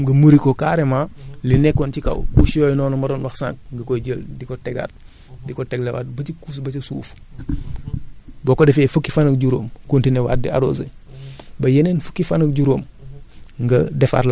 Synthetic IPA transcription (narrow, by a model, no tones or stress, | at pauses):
ɡɐmuɾikokaɾemalinɛkːɔncikɐ̰wkusjoːjnɔːnɔmɐdoːnwaxsã̰ŋk̚ŋɡɐkoɟəldikotɛɡa̰t | dikotɛɡlewa̰t̚bɐtikuːs̬bɐcisṵːf | bɔkodɛfeːfəkːifanɐk̚ɟuɾoːmkuntinewa̰ːt̚dḭaɾo̰ːsḛ | bɐjenenfə̥kːifanɐk̚ɟuɾoːm | ŋɡɐdɛfa̰ɾla